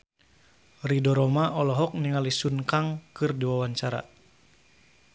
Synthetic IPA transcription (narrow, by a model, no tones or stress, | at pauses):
ridɔɾɔmaʔɔlɔɦɔk̚niŋalisunkaŋkɨrdiwawaɲt͡ʃaɾa̰